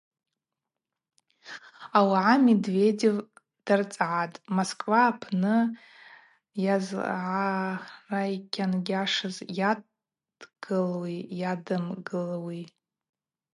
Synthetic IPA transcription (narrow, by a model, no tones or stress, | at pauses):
awaʕamedve̞dev | d̥art͡sʼʕatʼmoskʼvaːpʰnɨ | jazʕarajkʲʰanɡʲaʂɨzja | dɡ̥ɨlwijadɨmɡɨlwi